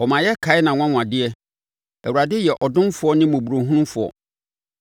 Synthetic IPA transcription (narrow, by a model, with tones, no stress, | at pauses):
ɔ˨mã˨jɛ˦kʰa˨˦ɪ˦nã˨ŋʷ˦ã˦ŋ̃ʷ˨ã˨dɪ˦ɛ˦ | ɛ̰˨wu˨ɾa˨dɪ˦jɛ˨ʔɔ˨dʊ̃˦n˦fʊ˦ɔ˦nɪ̃˦mõ˨bu˨ɾo˨ɦũ˦nũ˦mfʊ˨ɔ̰˨